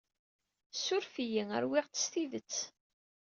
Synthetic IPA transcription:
sːʊɾfijiŋə̰ɾwɪʁt͡sə̥sθiðət͡sː

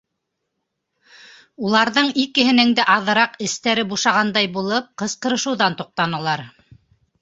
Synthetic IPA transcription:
ulˠɑɾðɤɴikɘ̆ɦɘ̆nɘ̆ŋd̪æʔɑðɤ̆ɾɑqɘ̆st̪æɾɘbuʃɑʁɑnd̪ɑjbulˠɤp̚qɤ̆sqɤ̆ɾɤ̆ʃɤ̆wðɑnt̪uq̚t̪ɑnɤ̆lˠɑɾ

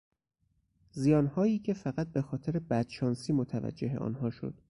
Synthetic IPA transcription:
zijɒːnhɒːiːcʰe̞fæɣæt̪̚be̞xɒːt̪ʰeɾebæd̪̥ʃɒːnsiːmot̪ʰævæ̰d͡ʒːe̞ɦe̞ʔɒ̰ːnhɒːʃo̞̰d̪̥

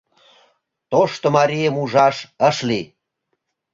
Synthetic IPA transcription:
t̪oʃt̪omɑɾijəmuʒɑʃəʃli

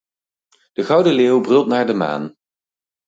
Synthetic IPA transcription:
d̥əɣɑwdəleːwbrɵlˠtnaːɹdəma̰ːn

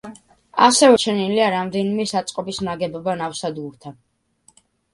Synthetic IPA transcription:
asɛvɛt͡ʃʰɛniliaɾamd̪ɛnimɛsat̪sʼqʼɔbisnaɡɛbɔbanafsad̪ɡuɾt̪ʰa

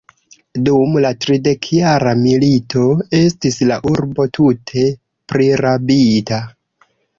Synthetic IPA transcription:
dumlatɾide̞kʰjaɾamilito̞e̞stislaʔuɾbo̞tʰutʰe̞ | pɾiɾabita

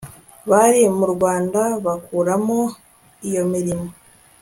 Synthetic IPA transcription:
βaɾimuɾɡɡwaːndaβakuːɾamo | ijo̞miɾimo

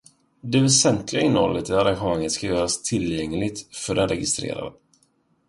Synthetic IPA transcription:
d̪ɛvɛsɛnt̪ʰlɪɡaɪnːəhɔ̰lːət̪ɪlaɾanɧəmaŋːət̪skajœːɾast̪ʰɪljɛŋlɪɡ̚t̪fœɖɛnɾɛɡɪst̪ɾḛːɾa̰d̪ə

